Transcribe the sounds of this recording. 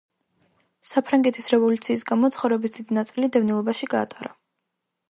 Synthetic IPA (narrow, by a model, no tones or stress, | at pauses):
sapʰɾaŋɡɛt̪ʰisɾɛvɔlut̪sʰiːs̬ɡamɔt̪sʰχɔvɾɛbisd̪̥id̪inat̪sʼilid̪ɛvnilˠɔbaʃiɡa̰ːt̪ʼaɾa